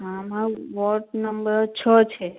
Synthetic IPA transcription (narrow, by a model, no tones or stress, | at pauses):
ɦamãʋɔɾʈnəmbəɾt͡ʃʰət͡ʃʰe